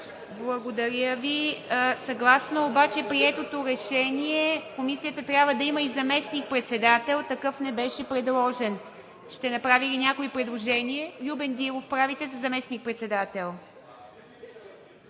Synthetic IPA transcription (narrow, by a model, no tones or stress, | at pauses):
blˠɐɡod̪ɐɾʲjəvisɐɡlˠasnoobat͡ʃɛpɾiɛt̪ot̪oɾɛʃɛniɛkomisijət̪ət̪ɾʲjabvəd̪ɐiməizɐmɛsnik̚pɾɛt̪sɛd̪at̪ɛlˠt̪ɐkɤfnɛbɛʃɛpɾɛd̪lˠɔʒɛn | ʃt̪ɛnɐpɾavilinʲakoipɾɛd̪lˠoʒɛniɛlʲubɛnd̪ilˠofpɾavit̪ɛzɐzɐmɛsnik̚pɾɛt̪sɛd̪at̪ɛlˠ